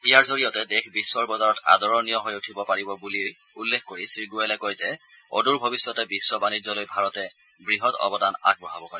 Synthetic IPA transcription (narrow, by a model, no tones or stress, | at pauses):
ijaɹzoɹijɔtɛdexʰbisːɔɹbɔzaɹɔta̰dɔɹɔniɔɦojutʰibɔpaɹibɔbulioj | ulːexkoɹisɹiɡualɛkojzɛ | o̰duɹbʱobisːɔtɛbisːɔbanizɔlojbʱaɹɔtɛ | bɹiɦɔtɔ̰bɔdana̰ɡ̚bɔɦabɔɦɔj